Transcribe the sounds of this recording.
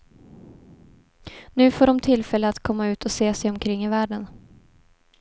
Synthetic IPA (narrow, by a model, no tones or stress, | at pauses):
nʉ̟ːfoːɖɔmt̪ʰɪlːfɛlːəat̪kʰɔmːaʉ̟ːt̪ʰɔseːsɛjɔmkʰɾɪŋːɪvæːɖən